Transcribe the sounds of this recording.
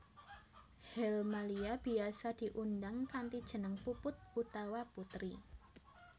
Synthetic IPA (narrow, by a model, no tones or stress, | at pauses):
hɛlmaliab̥iasadiʔundaŋkant̪id̥ʒ̥ə̤nəŋpupʊt̪̚ut̪awaput̪ɾi